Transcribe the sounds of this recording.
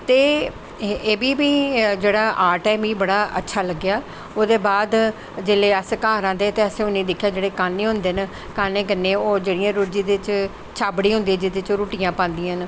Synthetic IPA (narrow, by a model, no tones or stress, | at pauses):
t̪eː | eːbiːbiːd͡ʒeːɽaːʔaːɾʈɛːmiːbəɽaːʔə̰tːʃʰaːləɡːɪjaː | oːd̪eːbaːd̪ | d͡ʒeleːəskãːɾãːd̪eːət̪eːəsẽʊnĩːd̪ɪkʰːjaːd͡ʒeːɽeːkaːnẽːɦʊ̃nd̪eːn | kaːnẽːkənːẽːoːd͡ʒeːɽɪjãːɾuːʈd͡ʒĩːd̪ɪt͡ʃ | t͡ʃʰaːbɽiːɦʊ̃nd̪ĩːd͡ʒ̪ɪd̪ɪt͡ʃːɾuːʈijãːpãːnd̪ijãːn